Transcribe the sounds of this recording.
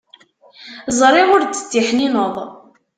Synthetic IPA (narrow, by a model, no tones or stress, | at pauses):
zˤɾˤiʁʊɾt͡s̪ːə̥t̪ːiħninoðˤ